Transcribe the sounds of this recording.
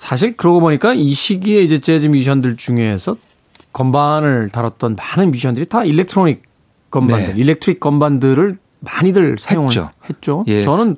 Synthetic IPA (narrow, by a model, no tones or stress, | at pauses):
sʰaɕ̬ʰiɭkɯɾʌɡoboɲik͈aiɕʰiɡieid͡ʑe̞t͡ɕed͡ʑimjiɕʰʌndɯɭt͡ɕuŋesʰʌ | kʌmbanɯɭtaɾat̚t͈ʌnmanɯnmiɕʰʌndɯɾitailːe̞k̚tʰɯɾoɲik̚ | k͈ʌmbandɯɾilːe̞k̚tʰɾik̚k͈ʌmbandɯɾɯɭ | maɲidɯɭsʰajoŋɯɭo̰he̞t̚t͡ɕ͈ojt͡ɕʌnɯn